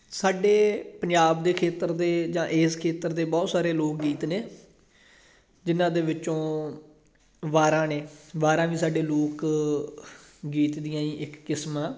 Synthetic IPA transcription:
saːɖeːpəɲd͡ʒaːbd̪eːkʰeːt̪əɾd̪eːd͡ʒãːʔeːskʰeːt̪əɾd̪eːbɔːt̪saːɾeːloːk̚ɡiːt̪neː | d͡ʒɪnãːd̪eːʋɪt͡ʃõː | ʋaːɾãːneːʋaːɾãːʋĩːsaːɖeːloːk | ɡiːt̪d̪ɪjãːĩːʔɪkːɪsmãː

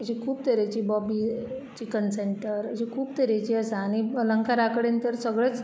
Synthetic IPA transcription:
əɕikʰuːb̚t̪əɾat͡ɕiːbɔbit͡ɕikənseɳʈəɾəɕikʰuːb̚t̪əɾat͡ɕiːəsaːɽ̃iələŋkaɾakəɽent̪əɾsəɡɭet͡s

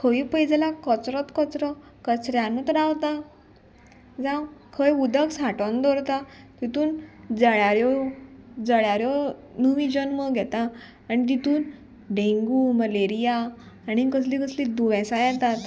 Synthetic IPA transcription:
kʰəʋiːpəjd͡zɛlakɔt͡sɾɔt̪kɔt͡sɾɔ | kət͡sɾjanut̪ɾawt̪a | d͡zãwkʰəjud̪əksaʈɔnd̪ɔɾt̪at̪it̪uːnd͡zəɭjaɾjɔ | d͡zəɭjaɾjɔnuʋid͡ʑənməɡʱɛt̪aː | ɽ̃it̪̬it̪uːn | ɖẽŋɡuməleɾijaː | ɽ̃ikəs̬liːkəslid̪uʋãsajat̪at̪

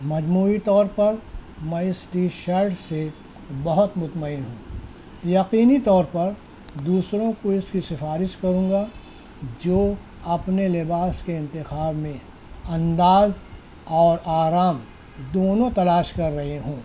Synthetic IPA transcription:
mɐd͡ʒmuːit̪ɔːɾpɐɾmɛ̃ɪsʈiʃɐɾʈse | bɐɦʊt̪mʊt̪mɐɪnɦũː | jɐqiːnit̪ɔːɾpɐɾ | d̪uːsɾõkoɪskisɪfaːɾɪʃkɐɾũːŋɡa | d͡ʒoː | ɐpnelɪbaːskeɪ̃nt̪ɪxaːbmẽ | ɐ̃nd̪aːz | ɔːɾaːɾaːm | d̪oːnõt̪ɐlaːʃkɐɾːɐɦeɦũː

